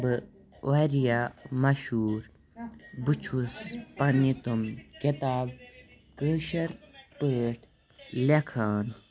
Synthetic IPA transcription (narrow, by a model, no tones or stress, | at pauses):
bɨ | ʔaɾijamɐʃuːɾ | but͡ʃʰuspɐnit̪umkit̪aːb̚ | kəːʃɐɾpəːʈʰ | lekʰaːn